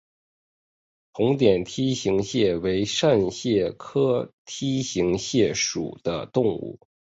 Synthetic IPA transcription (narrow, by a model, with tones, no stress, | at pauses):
t̪ʰʊ˧˥ŋt̪jɛ˨˩nt̪ʰi˥ɕi˧˥ŋɕjɛ˥˩we˧˥ɪʂa˥˧nɕjɛ˥˩kʰɤ˥t̪ʰi˥ɕi˧˥ŋɕjɛ˥˩ʂṵ˨˩d̪̥ə̰˦t̪ʊ˥˧ŋṵ˥˩